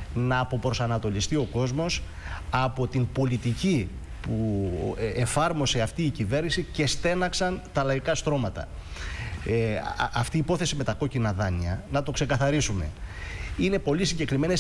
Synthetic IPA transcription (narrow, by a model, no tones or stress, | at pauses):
nɐːpo̞pɾo̞sɐnɐt̪o̞list̪io̞ko̞zmo̞s | ɐpo̞t̪imbo̞lit̪ici | pu | efɐɾmo̞se̞ɐft̪iːcive̞ɾnisice̞st̪e̞nɐksɐnt̪ɐlɐikɐst̪ɾo̞mɐt̪ɐ̰ | ɐft̪iːpo̞θe̞sime̞t̪ɐko̞cinɐðɐniɐ̰nɐt̪o̞kse̞kɐθɐɾisume̞̰ | ine̞po̞lisiɲɟe̞kɾime̞ne